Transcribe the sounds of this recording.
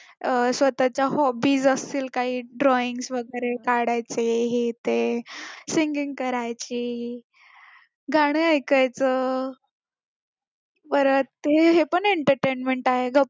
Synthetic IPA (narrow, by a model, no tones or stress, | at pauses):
sʋət̪at͡ɕjaɦɔbiːzəst̪iːlkaɦiːɖɾɔiŋɡsʋəɡəɾekaɽajt͡seɦit̪esiŋɡiŋɡkəɾajt͡ɕiː | ɡʱaɽ̃iəjkajt͡sə | pəɾət̪t̪eɦepəɳeɳʈəɾʈenmeɳʈaɦeɡə